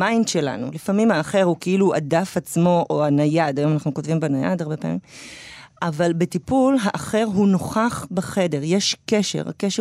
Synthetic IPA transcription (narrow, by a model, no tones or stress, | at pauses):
majnʃela̰nṵlifamimhaːχe̞ʁhukeiluʔa̰dafat͡smo̞ʔoanajad̪ajo̞manaχnukotvimbanaja̰daʁbe̞pea̰mim | ʔavalbetipulɦaʔaχe̞ʁɦuno̞χaχbeχe̞de̞ʁjeʃke̞ʃe̞̰ʁa̰keʃe